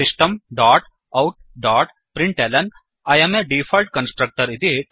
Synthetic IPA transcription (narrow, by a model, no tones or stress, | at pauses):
ɪsʈɐmɖaːʈ | ɐwʈ̚ɖaːʈ | pɾɪ̃ɳʈeːlɐn | aːjɐmeɖiːfʰɐlʈ̚kɐ̃nsʈɾɐk̚ʈɐɾit̪i